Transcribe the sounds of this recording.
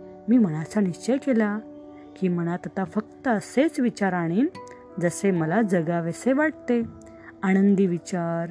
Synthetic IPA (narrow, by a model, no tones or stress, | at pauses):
miːm̤əɽ̃at͡saniɕt͡ɕəjkela | kiːm̤əɽ̃at̪ət̪afək̚t̪əəset͡sʋit͡ɕaɾaɽ̃iːn | d͡zəseməlad͡zəɡaʋeseʋaʈ̚t̪e | aɽ̃ənd̪iʋit͡ɕaɾ